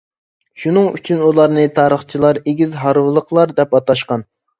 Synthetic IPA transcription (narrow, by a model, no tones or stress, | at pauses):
ʃunɨŋy̰t͡ʃʰynulˠɑɾnɨt̪ʰɑːɾəχt͡ʃʰilˠɑɾeɡʲizɦɑɾwɨlˠəχlˠɑɾd̪ɛpɑt̪ɑʃqɑn